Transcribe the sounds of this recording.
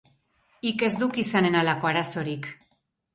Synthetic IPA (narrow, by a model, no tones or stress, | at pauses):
ike̞zd̪ukisane̞nalako̞aɾaso̞ɾik